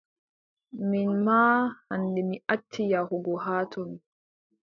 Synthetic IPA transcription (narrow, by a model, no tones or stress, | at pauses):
minmaːhandɛmiʔatʰːijahɔɡɔɦaːtʰɔmi